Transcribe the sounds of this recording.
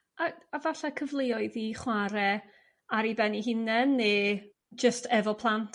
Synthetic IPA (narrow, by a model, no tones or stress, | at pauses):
ʔaavaɬakʰəvlˠeɔɨðiχwaɾɛ | aɾibɛniɦɪnɛnːeː | d͡ʒəstʰɛvɔpʰlˠantʰ